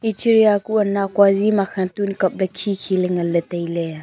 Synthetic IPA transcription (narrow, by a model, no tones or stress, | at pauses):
it͡ʃiɾijakuɐnːakwazimaxʰantunkɐp̚ləkʰːikʰilɛŋɐlətejle